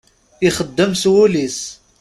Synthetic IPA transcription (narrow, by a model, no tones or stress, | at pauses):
iχəd̪ːəmswulis